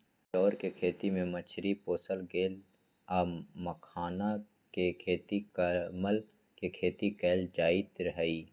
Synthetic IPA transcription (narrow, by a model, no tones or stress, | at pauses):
ʃɔːɾkekʰeːt̪imẽmət͡ʃʰɾipoːsəlɡeːl | aːməkʰaːna | kekʰeːt̪ikəməl | kekʰeːt̪ikɛːld͡ʒaːit̪ɾəɦiː